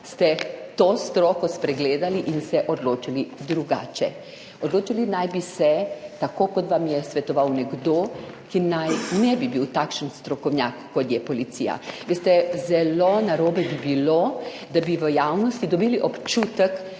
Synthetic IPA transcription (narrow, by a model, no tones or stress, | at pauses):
st̪ɛt̪ost̪ɾɔːkɔspɾɛɡleːd̪aliʔinsɛʔɔd̪loːt͡ʃalid̪ɾuɡa̰ːt͡ʃɛ | ɔd̪loːt͡ʃilinajbisɛt̪akoːkɔt̪ʋamjɛsʋɛt̪ɔʋawnɛɡd̪oː | kinajnɛbibiwt̪akʃənst̪ɾɔkɔwnʲjakːɔt̪jɛpɔlit̪sḭja̰ʋeːst̪ɛzɛlonaɾoːbɛbibilo | d̪abiʋəjawnɔst̪id̪ɔbiliʔɔpt͡ʃut̪ək